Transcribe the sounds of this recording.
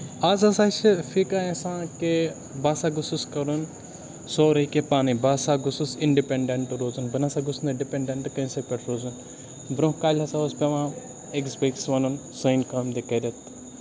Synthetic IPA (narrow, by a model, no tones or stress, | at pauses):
aːzɐsaːsfikaːẽsãːke | baːsaːɡʊsuskɐɾun | soːɾɐkepaːnibaːsaɡʊsusiɳɖipeɖeɳʈɾoːzunbɐnasaɡʊsnd̪ɐɖipeɳɖeɳʈkɐ̃sepʲɐʈʰɾoːzun | bɾõkaːlʲɐsaːɐspeʋãː | eksbeksʋɐnunsɐjnkaːmd̪ekɐɾɐt̪